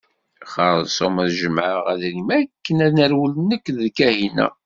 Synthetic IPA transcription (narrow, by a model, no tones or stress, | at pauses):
χəɾˤðsˤoməðʒəməʁæðɾimækːənænəɾwələnəkːðkæhinæ̰